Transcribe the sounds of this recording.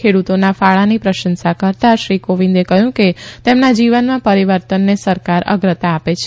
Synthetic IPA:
kʰeɽut̪onafaɭanipɾəʃənsakəɾt̪aʃɾikoʋĩnd̪ekəɦjũket̪emnad͡ʒiʋənmãpəɾiʋəɾt̪ənːesəɾkaɾə̰ɡɾət̪aːpet͡ʃʰ

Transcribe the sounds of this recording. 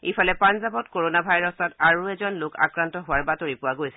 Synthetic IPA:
ifʰalɛpanzabɔtkoɹonabʱajɹɔsataɹuɛzɔnlokʰa̰kɹantɔɦʊwaɹbatoɹipʊwaɡojsɛ̥

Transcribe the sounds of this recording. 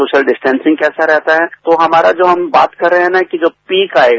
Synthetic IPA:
oːʃəlɖɪsʈɛ̃ːnsɪ̃ŋɡkɛːsaɾɛɦt̪aɦɛt̪oɦɐmaːɾad͡ʒoːɦɐmbaːt̪kɐɾːɛɦeɦɛ̃nakid͡ʒoːpiːkaːeːɡ

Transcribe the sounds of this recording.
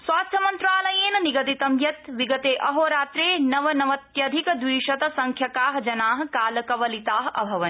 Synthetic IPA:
swaːst̪ʰjɐmɐnt̪ɾaːlɐjeːnɐniɡɐt̪it̪ɐmjɐt̪ʋiɡɐt̪eːʔɐɦoːɾaːt̪ɾeːnɐʋɐnɐʋɐt̪jɐd̪ʱikd̪ʋiːʃɐt̪ɐsɐŋkʰjɐkaːɦɐd͡ʒɐnaːɦɐ̆kaːlɐkɐʋɐlit̪aːɦɐ̰bʱɐʋɐn

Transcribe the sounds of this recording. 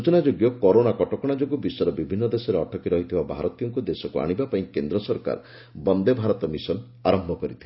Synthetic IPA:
ut͡ʃɔnad͡ʒoɡjɔkɔɾonakɔʈɔkɔɽ̃ad͡ʒoɡɔbisɔɾɔbibʱinːɔd̪esɔɾeɔʈʰɔkiɾɔɦit̪ʰibabʱa̰ɾɔt̪ijɔŋkud̪esɔkua̰ɽ̃ibapaĩkend̪ɾɔsɔɾka̰ɾ | bɔnd̪ebʱaɾɔt̪ɔmisɔn | aɾɔmbʱɔkɔɾit̪ʰi̥

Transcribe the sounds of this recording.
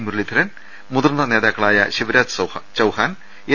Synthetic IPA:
muɾɭid̪ʰʱɐɾɐn | mud̪ɐrnːɐneːðaːkːɐɭaːjɐɕiʋɐɾaːd͡ʑt͡ɕɐwhaːn | e

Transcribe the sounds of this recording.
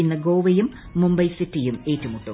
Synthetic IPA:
inːɐɡoːʋɐjumː | umbɐjsitːijume̞ːtːumuʈːu

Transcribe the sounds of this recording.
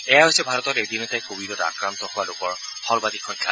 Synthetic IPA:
ɛjaɦojsɛbʱaɹɔtɔtedinɔtajkobilɔta̰kɹant̪ɔhowalokɔɹ | hɔlbadikʰːɔ̃ɲkʰːa

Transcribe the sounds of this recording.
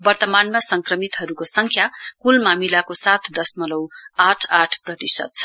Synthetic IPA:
bʌrt̪ʌmanmasʌŋkrʌmit̪ɦʌɾukosʌŋkʰjakulmamilakosat̪ʰd̪ʌsmʌlʌwaʈʰaʈʰprʌt̪isʌ̰t̪̚t͡sʰʌ

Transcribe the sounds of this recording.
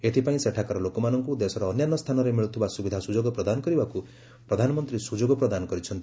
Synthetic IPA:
et̪ʰipaĩseʈʰakɔɾɔlokɔmanɔŋkud̪esɔɾɔːnjanːɔst̪ʰanɔɾemiɭut̪ʰibasubid̪ʱasud͡ʒoɡɔpɾɔd̪anɔkɔɾibaku | pɾɔd̪ʱanɔmɔnt̪ɾisud͡ʒoɡɔpɾɔd̪anɔkɔɾit͡ʃʰɔnt̪

